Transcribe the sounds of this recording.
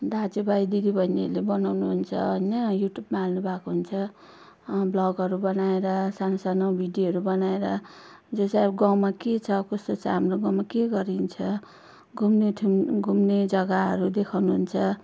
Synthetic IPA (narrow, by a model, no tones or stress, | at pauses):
d̪ad͡zubajd̪id̪ibʱʌiniʌlebʌnawnuɦunt͡sʰʌ̰ʌinʌjuʈjubmaalnubʱakoɦunt͡sʰʌ | blʌɡʌɾubʌnaeɾʌsanosanʌwbʱiɖjoɦʌɾubʌnaeɾʌd͡zosaɡʌw̃maket͡sʰʌkost̪ot͡saɦamroɡʌ̃w̃makeɡʌɾint͡sʰʌ | ɡʱumneʈʰɡʱumned͡zʌɡaɦʌɾud̪ekʰawnuɦunt͡sʰʌ